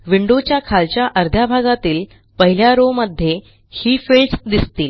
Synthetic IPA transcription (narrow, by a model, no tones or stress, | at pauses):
ʋiɳɖot͡ɕjakʰalt͡ɕjaʔəɾd̪ʱjabʱaɡat̪iːl | pəɦiljaɾoməd̪ʱːje | hiːfeɭsd̪ist̪iːl